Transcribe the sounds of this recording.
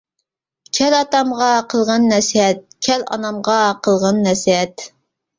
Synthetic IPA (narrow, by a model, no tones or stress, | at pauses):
t͡ʃʲʰɛlɑt̪ɑmʁɑqʰəlˠʁɑnːɛsɦɛt̪̚kʲʰɛlɑ̰nɑmʁɑqʰəlˠʁɑnːɛsɦɛt̪